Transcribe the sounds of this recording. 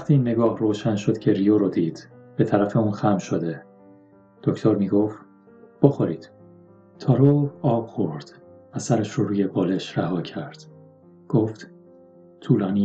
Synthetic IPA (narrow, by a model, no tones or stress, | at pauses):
æxt̪ʰiːiːnːe̞ɡɒːhroːʃænʃo̞d̪cʰe̞ɾijoɾod̪iːd̪̥ | b̥e̞t̪ʰæɾæfe̞uːnxæmʃo̞d̪e̞ | d̪̥ocʰt̪ʰo̞ɾmiːɡoft̪ | b̥oxoɾiːd̪̥ | t̪ʰɒːɾoɒːb̥xo̞ɾd̪̥væsæɾeʃɾɔɾuːje̞bɒːle̞ʃɾæhɒːcʰæɾd̪̥ | ɡ̥oft̪ | t̪ʰuːlɒːniː